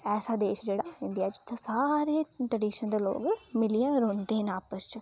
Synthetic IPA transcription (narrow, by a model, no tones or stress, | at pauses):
ɛːsaːd̪eːʃd͡ʒeːɽaːɪɳɖijaːd͡ʒɪ̥t̪ʰːeːsaːɾeːʈɾəɖiːʃənd̪eːlo̰ːɡmɪliãːɾõːnd̪eːɦnaːpəst͡ʃ